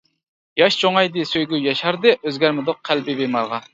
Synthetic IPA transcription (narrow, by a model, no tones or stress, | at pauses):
jɑʃt͡ʃʰoŋɑjd̪ɨsøjɡʲyjɑʃɑɾd̪ɨʔøzɡʲæɾmɪd̪oq̚ʰːælbɪbemɑɾʁɑ